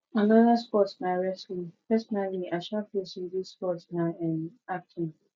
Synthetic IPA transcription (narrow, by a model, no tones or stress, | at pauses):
anɔðaspɔtsnaɹɛslĩŋpɛsɔnaliaʃɔpesidisspɔtsnaɛ̃nak̚tʰĩŋ